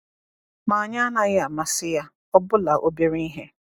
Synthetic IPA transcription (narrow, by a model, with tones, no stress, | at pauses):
ma˨a˨ɲa˦na˨ɣɪ˦a˨ma˨sɪ˦ja˦ | ɔ˦bʊ˦la˨ʔo˦be˦ɾi˦i˦ɦe˦